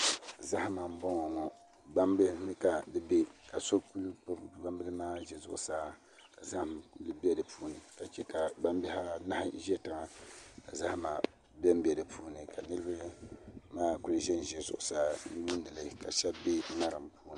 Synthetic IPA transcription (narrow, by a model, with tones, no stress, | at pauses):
za˦ha˦ma˨m̩˦bɔ˦ŋɔ˨ŋɔ˨ | ba˦mbɨ˦nɨ˦ka˨dɨ˦be˦ka˨so˦ku˦lba˦mbɨ˦lɨ˦maː˦ʒɛ˨zʊ̰˦˨ʔʊ˨saː˦ | ka˨za˦hm˨lɨ˦bɛ˦dɨ˨pʰuː˦nɨ˨ka˨t͡ʃɛ˦ka˨ba˦m˦bɛ˦ha˦na˦ha˦ʒɛ˦ta˨ŋa˨ka˨za˦hma˨ | bɛ˦m˦bɛ˨dɨ˨pʰuː˦nɨ˨ka˨nɨ˦ɾɨ˦ba˦maː˦ku˦lɨ˦ʒɛ˦n˨ʒɛ˨zʊ̰˨ʔʊ˨saː˦ni˦bu˦n˦˨ɨ˨lɨ˦˨ka̰˨ʃɛ˦bbe˦na˦ɾɨ˨mpuː˦nɨ˨